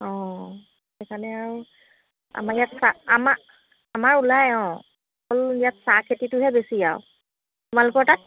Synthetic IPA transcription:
ɔ̃ | ɛkʰanɛaɹu | a̰majatsaama | amaɹulajɔ̃ | ɔkɔljatsakʰetitʊɦɛbesija̰ʊ | tumalʊkɔɹtat̚

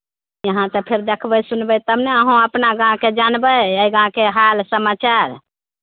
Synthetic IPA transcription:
jəɦãt̪əpʰeɾd̪ekʰbəsunbɛt̪əmneəɦõəpnaɡãked͡ʒanbəəjɡãkeɦalsəmat͡ʃaɾ

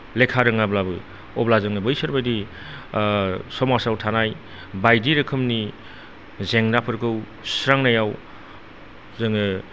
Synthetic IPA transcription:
lekʰaɾɯŋablabɯ | ɔblazɯŋnɯbɯjsɯɾbadi | sɔmasawtʰanaj | bajdiɾɯkʰɯmni | zeŋnapʰɯɾkɯw | sɾaŋnajaw | zɯŋɯ

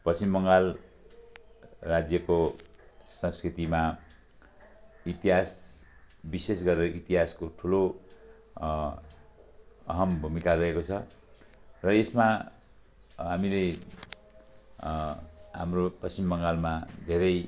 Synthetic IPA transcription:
pʌimbʌŋɡal | rad͡zjʌko | sʌ̃skrit̪ima | it̪iɦas | bisesɡʌɾeɾʌʔit̪iɦaskoʈʰulo | ʌ̰ɦʌmbʱumikaɾʌekot͡sʰʌ | rʌesma | ɦamile | ɦamropʌst͡ʃimbʌŋɡalmad̪ʱeɾʌj

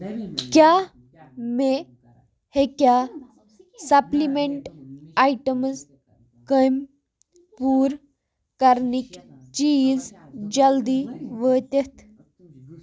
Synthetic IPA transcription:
kjaː | me | hekʲjaː | sɐplimeɳʈaiʈəmz | kəm | puːɾ | kɐɾnikt͡ʃiːzd͡ʒɐld̪iːʋəːt̪et̪ʰ

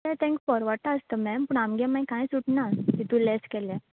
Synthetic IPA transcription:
ɛt̪ʰɛ̃ŋkfɔɾʋaʈaəst̪əmɛmpuːɳamɡɛmajkãjsuʈnat̪it̪ũlɛskɛlɛ̃

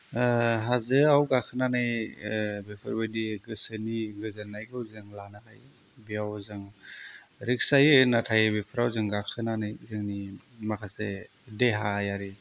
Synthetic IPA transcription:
ɦazɯawɡakʰɯnanɯj | bepʰɯ̰ɾbɯjdiɡɯsɯniɡɯzɯnːajɡɯwzɯŋlanatʰaj | biawzɯŋ | ɾik̚sajɯnatʰajbepʰɯɾawzɯŋɡakʰɯnanɯjzɯŋni | makʰase | deɦajaɾi

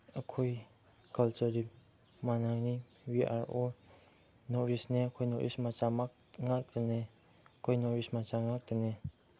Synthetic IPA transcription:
əkʰoj | kalt͡ʃuɾip̚ | manani | wia̰ɾo | nɔɾisneəkʰojnɔ̰ɾʔḭsmat͡ʃamak̚ | ŋak̚dene | kʰojnɔɾismat͡ʃaŋak̚dene

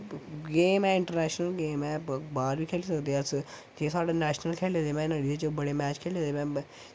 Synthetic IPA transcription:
ɡeːmɛ̃ːɪɳʈəɾnɛːʃnəlɡeːmɛbaːɾbiːkʰeːlisəkd̪eas | d͡ʒeːsaːɽenɛːʃnəlkʰeːleːd̪emɛ̃ːnəɽied͡ʒoːbəɽeːmɛːt͡ʃkʰeːlẽd̪eːʋɛ̃ː

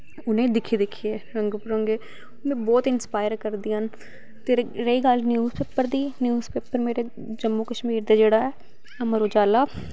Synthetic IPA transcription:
ʊnẽːd̪ɪkʰiːd̪ɪkʰiːeːɾəŋɡpəɾõːŋɡeː | mɛ̃ːbɔːt̪ɪnspaːɪəɾkəɾd̪iːɦən | t̪eɾəiːɡalnjuːzpeːpəɾd̪iːnjuːzpeːpəɾmeːɾeː | d͡ʒəmːuːkəʃmiːɾd̪aːd͡ʒeːɽaːɛː | əməɾoːd͡ʒaːlaː

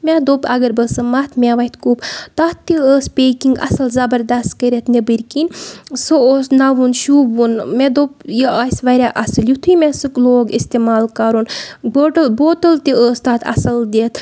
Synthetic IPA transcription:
mʲɛd̪opɐɡɐɾbɐsɐmɐt̪mʲɛʋɐt̪kuːpt̪aːt̪ːiəːspʲeːkiŋɡɐ̰sɐlzɐbɐɾd̪ɐst̪kəɾʲet̪nebɨɾʲkinʲsooːsnɐʋunʃubunmɛd̪opjiʔasʋɐɾʲaʔɐsɨljut̪ʰujmʲɛsɨkloːɡist̪emaːlkɐɾunboʈəlboːʈəlt̪iəːst̪aːt̪ʰɐ̰sɐld̪eːt̪ʰ

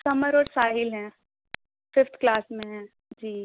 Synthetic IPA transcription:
sɐməɾɔːɾsaːɦɪlɦɛ̃ː | fɪft̪ʰklaːsmẽɦɛ̃ː | d͡ʒiː

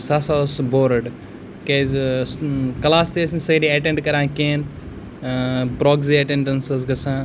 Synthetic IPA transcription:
sasasboːɾɖ | kez | kɐlaːst̪eːsnsɐɾiɐʈeɳɖkɐɾãːkeːn | pɾoːɡziɐʈẽɳɖɐnsɐz̬ɡɐsãː

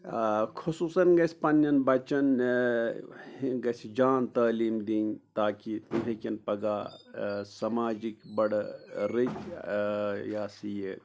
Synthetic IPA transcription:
kʰusuːsɐnɡɐsʲpɐnjɐnbɐt͡ʃɐn | hiɡɐsid͡ʒaːnt̪ɐːliːmd̪iːnt̪aːkit̪uɦekʲɐnpɐɡaː | sɐmaːd͡ʒikbɐɽɾik | jaːsije

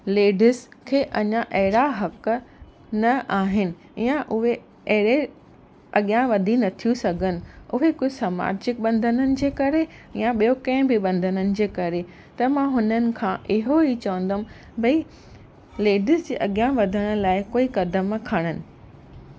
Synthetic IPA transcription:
leːɖɪskʰeːʔɐɲaʔɐɦɪɽaɦɐk | nɐʔaːɦɪnɪ̆ | jãʔʊɦe | ɐɦɪɽe | ɐɠijãʋɐd̪ʱinɐt̪ʰijusɐɡʱənɪ̆ʊɦekʊsaːma̰ːd͡ʑɪk̚ɓɐ̃nd̪ʱənənɪ̆d͡ʑeːkɐɾejãɓijokɐ̃ɦɪ̃bɪɓɐ̃nd̪ʱənənɪ̆d͡ʑeːkɐɾe | t̪ɐmãɦʊnənɪ̆kʰãʔɪɦoɦit͡ɕɐʋə̃n̆d̪ʱəm | bɐi | leːɖɪsd͡ʑḛːʔɐɠijãʋɐd̪ʱəɽ̃ʊ̆laːɪkoːikɐd̪əmkʰɐɽ̃ənɪ̆

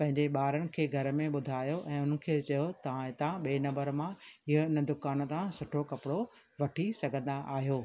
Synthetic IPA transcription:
pɐ̃ɦɪ̃ɲd͡ʑeɓaːɾənɪ̆kʰeːɡʱɐɾmẽɓʊd̪ʱaːjoʔɛ̃ːʊnə̆kʰeːt͡ɕɐjot̪ɐʋãɪt̪ãɓeːnɐ̃mbəɾmãɪɦʊɪnə̆d̪ʊkaːn̆t̪ãsʊʈʰokɐpɪɽo | ʋɐʈʰisɐɡʱə̃nd̪aʔaːɦijoː

